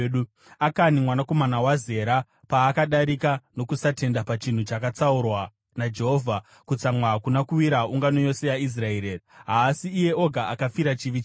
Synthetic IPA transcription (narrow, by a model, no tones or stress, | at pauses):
u | akanimwanako̞manawaze̞ɾa | paːkaɗaɾikano̞kusate̞ndapat͡ʃin̤ut͡ʃakat͡saurwa | nad͡ʒe̞ɦo̞vʱa | kut͡samwaːkunakuwiɾauŋɡanojo̞se̞jais̬raeːɾeɦaːsiːje̞o̞ɡʱaʔakafiɾat͡ʃiʋit͡ʃ